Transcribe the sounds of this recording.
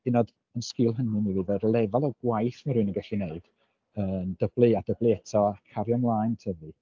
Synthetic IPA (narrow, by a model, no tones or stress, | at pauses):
ɪnɔd | ənskɪlˠɦənɨnivivɛdlˠɛvalˠɔɡ̥wajθmaɾʊnəŋɡaɬineɨd̥ | əːnd̥əb̥lˠɨad̥əblˠiɛtʰɔakʰːaɾjanlˠaːntʰəvɨ